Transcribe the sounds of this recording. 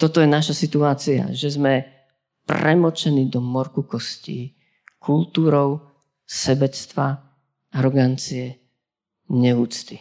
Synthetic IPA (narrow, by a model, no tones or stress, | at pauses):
t̪ɔt̪ɔjɛnaʃasit̪uaːt͡sia̰ʒɛzmɛ | prɛmɔt͡ʃɛniːd̪ɔmɔɾkukɔscḭː | kʰult̪uːɾɔʊ | sɛbɛst̪ʋa | aɾɔɡant͡siɛ | ɲɛuːt͡st̪i